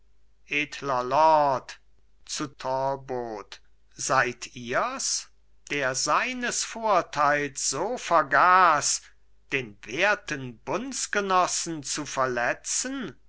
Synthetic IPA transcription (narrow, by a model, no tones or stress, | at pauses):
ʔeːtʰlɐlɔt | t͡sutʰɔboːt | z̥aɪtʰiːɐs | d̥eːɐzaɪnəsfoːɐtʰaɪlsz̥oːfɛɐɡaːs | d̥eːnveːɐtənbʊnsɡ̥ənɔsn̩t͡sufɛɐlɛt͡sən